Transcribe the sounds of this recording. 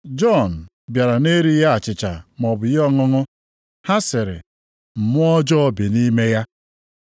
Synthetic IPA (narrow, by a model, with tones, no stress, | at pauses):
d͡ʒɔ˦˨n̩˨ | bja˨ɾa˨ne˦ɾi˦ja˦a˨t͡ʃɪ˨t͡ʃa̰˨m˨ɔ˨bʊ˨jɔ˦˨ŋʊ˦ŋʊ˦ | ha˦sɪ˨ɾɪ̰˨ | m̩˨mʊ˦ɔ˦d͡ʒɔ˦ɔ˦bi˨ni˦me˦ja˦